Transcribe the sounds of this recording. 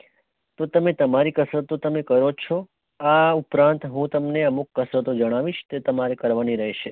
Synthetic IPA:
t̪ot̪əmet̪əmaɾikəsɾət̪ot̪əmekəɾot͡ʃʰo | aupɾãnt̪ɦũt̪əmneəmukːəsɾət̪od͡ʒəɽ̃aʋiʃt̪et̪əmaɾekəɾʋaniɾəɦeʃe

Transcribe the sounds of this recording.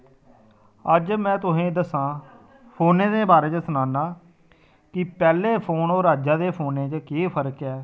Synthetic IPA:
əd͡ʒmɛ̃ːt̪ʊsẽːd̪əsãː | pʰoːnẽːd̪eːbaːɾeːt͡ʃsənaːnaː | kɪpɛːleːpʰoːnoːɾaːd͡ʒãːd̪eːpʰoːnẽːt͡ʃkeːpʰəɾkɛː

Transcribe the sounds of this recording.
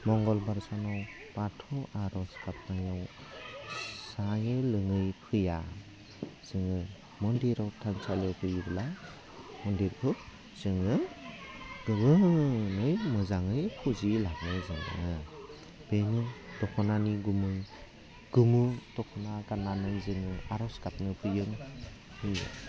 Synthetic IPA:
mɔŋɡɔlbaɾsanɔw | patʰɔaɾɔskap̚najaw | sajɯlɯŋɯjpʰɯja | z̥ɯŋɯ | mɔndiɾawtʰansalewkʰɯjibla | mɔndiɾkʰɯ | z̥ɯŋɯ | ɡ̥ɯɡɯnɯjmɯzaŋɯjpʰuzilak̚nɯjzɯŋɯ | b̥enɯdɔkʰɔnaniɡumɯj | ɡ̥umutɔkʰɔnaɡanːamɯjzɯŋɯaɾɔskap̚nɯpʰɯjɯŋ | hɯj

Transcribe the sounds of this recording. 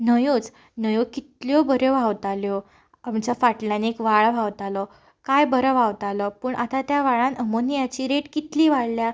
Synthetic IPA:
nəjod͡z | nəjokit̪ljɔbəɾjɔʋ̤awt̪aljɔ | amt͡ɕafaʈlanekʋaɭʋʱawt̪alɔ | kajbəɾəʋawt̪alɔpuːɳʔat̪at̪jaʋaɭãnəmonijat͡ɕiːɾeʈkit̪liːʋaɽlja

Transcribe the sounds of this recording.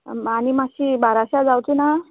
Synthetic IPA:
animasibaɾaɕad͡zawt͡sina

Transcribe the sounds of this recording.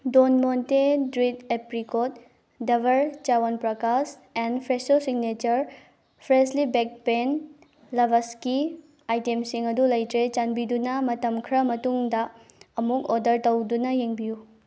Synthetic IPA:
donmontedɾidepɾikot̚ | dɐbʱɐɾt͡ʃawonpɾɐkas | enpʰɾesosiɡnet͡ʃɐɾ | pʰɾeslibek̚pen | lɐbʱɐski | ajtemsiŋɐdulɐjtɾet͡ʃanbidunɐmɐtɐmkʰɾɐmɐtuŋdɐːmukodɐɾtɐwdunɐjeŋbiju

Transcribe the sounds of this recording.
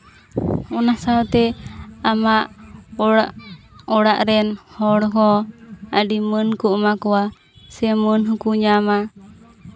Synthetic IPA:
ɔnasawt̪ɛamaʔaʔ | ɔɽaʔɾɛnhɔɽɔɦɔa̰dimənkuʔmakuwa | sɛmənɦukuɲama

